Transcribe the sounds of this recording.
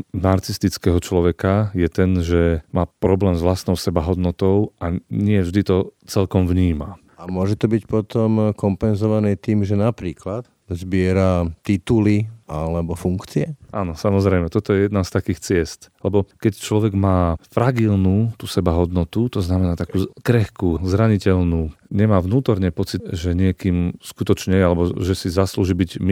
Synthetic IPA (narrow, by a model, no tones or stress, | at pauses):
naɾksist̪it͡skɛɦɔt͡ʃlɔʋɛkajɛt̪ɛnʒɛmaːpɾɔblɛːmzʋlast̪nɔʊsɛbaɦɔd̪nɔt̪ɔʊʔaɲɪɛvʒd̪it̪ɔt͡sɛlkɔmvɲiːma | amʊɔʒɛt̪ɔbicpɔt̪ɔmkɔmpɛnzɔʋanɛːt̪iːmʒɛnapɾiːklat̪ | zbɪɛɾat̪it̪uliʔalɛbɔfuŋkt͡siɛʔaːnɔsamɔzɾɛjmɛt̪ɔt̪ɔjɛjɛd̪nast̪akiːxt͡sɪɛst̪lɛbɔkɛct͡ʃlɔʋɛɡmaːfɾaɡilnuːt̪usɛbaɦɔd̪nɔt̪ut̪ɔznamɛnaːt̪akuːkɾɛxkuːzɾaɲicɛlnuːɲɛmaːʋnuːt̪ɔɾɲɛpɔt͡siʒɛɲɪɛkiːmskut̪ɔt͡ʃɲɛjɛalɛbɔʒɛsizasluːʒiːbiɟm